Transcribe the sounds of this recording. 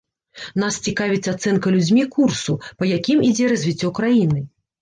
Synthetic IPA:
nast͡sʲikavʲit̪sɐat̪sɛnkɐlʲud͡zʲmʲikursupɐjakʲimid͡zʲɛɾɐzʲvʲit͡sʲːɔkɾajinɨ

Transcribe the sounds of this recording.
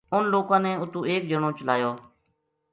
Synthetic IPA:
ʊnloːkãːnɛ̃ːʊt̪ũːeːk̚d͡ʒəɳõːt͡ʃəlaːjoː

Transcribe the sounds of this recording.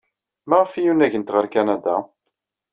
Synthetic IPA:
mæʁəfijunæʝənt̪ʁəɾkænad̪a

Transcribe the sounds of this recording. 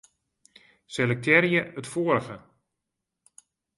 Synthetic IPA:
sɛlək̚tʰɛɾjəətfoəɾəχə

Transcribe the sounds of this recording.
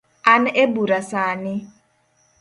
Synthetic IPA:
anebuɾasaːnɪ

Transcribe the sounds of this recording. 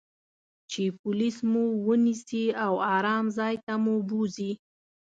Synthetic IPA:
t͡ʃepʊlismuwənisiawɑɾɑmzɑjt̪amubuzi

